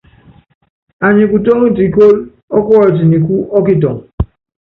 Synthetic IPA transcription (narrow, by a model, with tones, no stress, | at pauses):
a˨ɲĩ˨ku˨to˦ŋi˦t̬i˨˦ko˦l | ɔ˦kɔ˦ɔ˦˨ti˨ni˨ku˦ɔ˦k̬i˦t̬ɔ˨ŋ